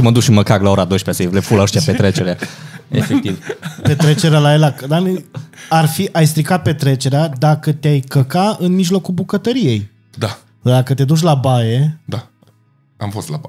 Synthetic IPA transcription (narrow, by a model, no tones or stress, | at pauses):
məd̪ukʃiməkaɡlao̞ɾad̪ojʃpeaselefulaoʃt̪iapet̪ɾet͡ʃe̞ɾeaḛfekt̪ivpe̞t̪ɾet͡ʃe̞ɾealaelakd̪anarfiʔajst̪ɾikat̪̚pe̞t̪ɾe̞t͡ʃe̞ɾead̪akət̪eajkəkaɨnmiʒlo̞kulbukət̪əɾije̞j | d̪a | d̪akət̪e̞d̪ut͡ʃ̬ʲlabaje̞d̪a | a̰mfost̪la̰ba